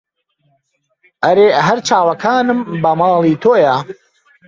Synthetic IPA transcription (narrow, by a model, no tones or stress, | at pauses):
ʔɐɾeːɦɐɾt͡ʃaːwɐkʰaːnɨmbɐmɑːlˠiːt̪ʰoːjɐ